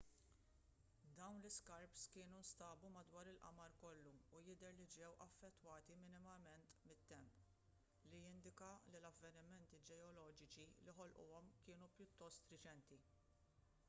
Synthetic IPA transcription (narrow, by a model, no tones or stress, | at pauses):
d̪ɐwnlɪskɐɾpskɪːnunst̪ɐːbumɐd̪wɐːɾɪlʔɐ̰mɐɾkɔlːuːjɪd̪ɛɾlid͡ʒɛwʔɐfːɛt̪ːwɐːt̪imɪnɪmɐmɛnt̪mɪt̪ːɛmp | lijɪnd̪ɪkɐlilɐvːɛnɪmɛnt̪id͡ʒɛɔlɔːd͡ʒɪt͡ʃiliħɔlʔʊ̰ɔmkɪːnupjʊt̪ːɔst̪ɾɪt͡ʃɛnt̪i